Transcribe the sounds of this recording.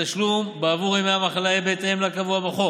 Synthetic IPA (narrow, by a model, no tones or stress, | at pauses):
aʃlumbeavuʁimeamaχalajebet̪eemlakavuabaχo